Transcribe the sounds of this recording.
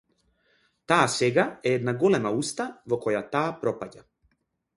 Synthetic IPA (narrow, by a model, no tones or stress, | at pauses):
t̪aːsɛɡaɛɛd̪naɡɔlɛmaust̪avɔkɔjat̪aːpɾɔpaɟa